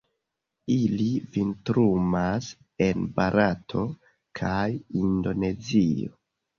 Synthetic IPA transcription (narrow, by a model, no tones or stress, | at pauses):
ilivintɾumas | e̞nbaɾatʰo̞ | kʰajindo̞ne̞zio̰